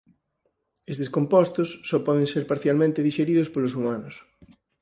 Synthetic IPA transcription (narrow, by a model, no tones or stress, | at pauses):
est̪eskompɔst̪ʊsːɔpɔðeŋseɾpaɾθjalmẽnt̪eðiʃeɾiðʊspolʊsumanʊs